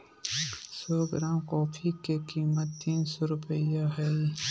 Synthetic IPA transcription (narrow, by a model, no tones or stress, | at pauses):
sɔːɡɾãːmkɔːfʰikekiːmət̪ːiːnsɔɾʊpəjaɦɛ